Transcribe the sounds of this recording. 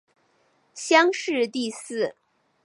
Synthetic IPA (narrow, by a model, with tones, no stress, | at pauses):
ɕjɑ˥ŋʂɻ̩˥˧t̪i˥˧sɹ̩˥˩